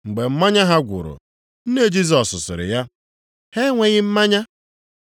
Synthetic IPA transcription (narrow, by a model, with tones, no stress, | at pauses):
ŋ͡m̩˨ɡ͡be˨m̩˦ma˦ɲa˦ɦa˦ɡʷʊ̰˨ɾʊ̰˨ | n̩˦ne˦˨d͡ʒi˦zɔ˨sʊ˨sɪ̰˨ɾɪ̰˨ja˦ | he˦ŋʷe˨ɣɪ˦m̩˦ma˦ɲa˦